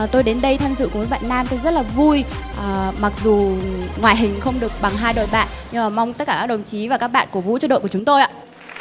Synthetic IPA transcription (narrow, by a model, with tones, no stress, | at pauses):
t̪o˧jɗe˨˦nɗə˧jt̪ʰaː˧mzɨ̰˧˨kːɓa̰ː˧˨nːaː˧mt̪o˨˧˦zə˦˥t̚laː˨˩vu˧jʔma˨˩k̚zu˨˩ŋwaː˨˩jɦï˨˩ŋ̟xə˧wŋ͡mɗɨ˨˩ək̚ɓa˨˩ŋɦaː˧jɗo̰˧˨jɓa̰ː˧˨nɲɨ˧aː˨˩ma˧wŋ͡mt̪ə˦˥t̚kaː˧˩a˦˥ɗə˨˩wŋ͡mt͡ɕi˨˦vaː˨˩kaː˦˥k̚ɓa̰ː˧˨nku˧˩vṵ˧˥t͡ɕɔ˧ɗo̰˧˨kə˩ʊ˨˦ŋ͡mt̪o˧jʔa̰ː˧˨